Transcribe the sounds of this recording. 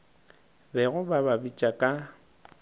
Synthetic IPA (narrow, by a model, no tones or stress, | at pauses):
bɛɣʊbababit͡ʃʼakʼa